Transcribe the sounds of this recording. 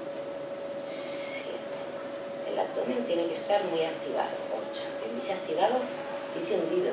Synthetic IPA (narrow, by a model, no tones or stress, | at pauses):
s | jḛmp̪e | ḛla̰t̪oment̪jeneke̞st̪aɾmujakt̪iβa̰ðo̰o̰t͡ʃḁḛld̪iθeakt̪iβaðo | d̪̥iθeumbið